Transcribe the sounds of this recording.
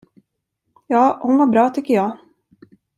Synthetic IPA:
jɑːhʊnvaɾbɾɑːt̪ʰʏkːəjɑː

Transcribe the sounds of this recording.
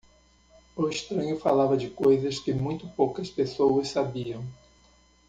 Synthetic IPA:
uɪʃt̪ɾɐ̃ɲʊfalavɐd͡ʒɪkojzɐskɪmũj̃t̪ʊpowkɐspesowɐssabiɐ̃w̃

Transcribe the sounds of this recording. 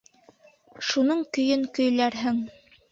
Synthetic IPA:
ʃunɤɴkɵ̆jɵŋkɵ̆jlæɾɦɘŋ

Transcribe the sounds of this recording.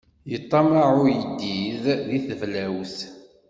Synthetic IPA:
jət̪ˤːɑmaʕʊjəd̪ːiððiθəvlæwθ

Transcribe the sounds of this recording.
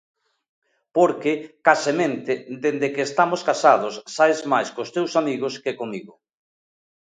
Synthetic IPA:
poɾkekasemẽnt̪ɪd̪end̪ekeːst̪amoskasað̞osːaezmajskost̪ewsamiɣoskekomiɣʊ

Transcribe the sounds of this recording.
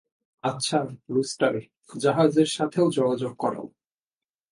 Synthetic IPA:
atːɕʰalusʈaɾi | d͡ʑaɦad͡ʑeɾʃat̪ʰeod͡ʑoɡad͡ʑoɡ̚kɔɾa̰

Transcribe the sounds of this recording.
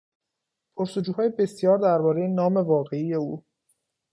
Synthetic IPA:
pʰoɾsod͡ʒuːɦɒːjebe̞sjɒːɾd̪æɾbɒːɾe̞jenɒːme̞vɒːɣe̞ije̞uː

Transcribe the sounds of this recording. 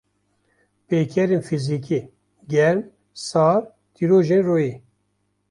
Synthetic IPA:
peːkʰɛɾenfizikʰi | ɡɛɾm | sɑːɾ | t̪ʰiɾoːʒenroːjeː

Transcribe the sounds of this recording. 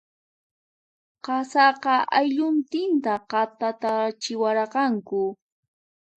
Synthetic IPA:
qɑsɑqɑʔajʎʊnt̪ɪnt̪aqɑt̪at̪at͡ʃɪwaɾqɑŋkʊ

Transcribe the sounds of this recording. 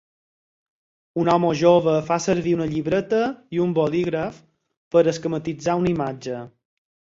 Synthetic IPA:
unɔməʒoβəfasəɾβiunəʎiβɾət̪əiumboliɣɾəf | pəɾəskəmət̪id͡zaunimad͡ʒə

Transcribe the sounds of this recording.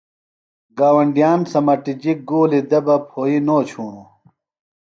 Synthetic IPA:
ɡaːwɐɳɖijaːnsɐmɐʈid͡ʑik̚ɡoːlid̪ɐbɐpʰoːinoːt͡ɕʰuːnu

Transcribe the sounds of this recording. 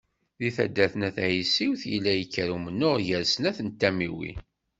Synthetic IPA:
ðiθæ̰d̪ːæθənæθæjisːiwθjəlːæjəkːəɾumənːʊʁjəɾsənæθənt̪ːæmiwḭ

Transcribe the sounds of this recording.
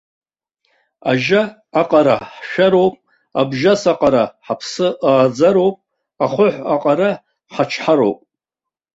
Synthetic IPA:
a̰ʒaː | qʼaɾa̰ħʃᶣaɾo̞wpʼ | abʒasaqʼaɾaħapʰsɨaːd͡zaɾowpʼ | aχʷʊħʷaqʼaɾa | ħat͡ʃʰħaɾo̰wpʼ

